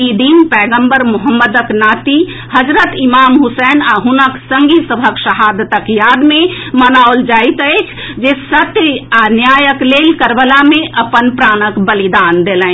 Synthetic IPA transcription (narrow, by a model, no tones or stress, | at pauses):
id̪inpɛːɡə̃mbəɾmʊɦəmːəd̪əknaːt̪i | həd͡ʒɾət̪imaːmɦusɛːnaɦʊnəksəŋɡisəbʱəkʃəɦaːd̪ət̪əkjaːd̪mẽmənaold͡ʒaːit̪ət͡ʃʰ | d͡ʒesət̪anjaːjəkleːlkəɾbəlamẽʔəpənpɾaːnəkbəlid̪aːnd̪elɛ̃